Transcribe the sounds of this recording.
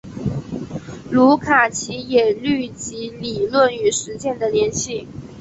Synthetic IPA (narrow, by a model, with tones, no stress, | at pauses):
lu˧˥kʰa˨˩t͡ɕʰi˧˥jɛ˨˩ly˥˩t͡ɕi˧˥li˨˩lwə˥˩ny˧˥ʂɻ̩˧˥t͡ɕjɛ˥˩nd̪ə˩ljɛ˧˥nɕi˥˩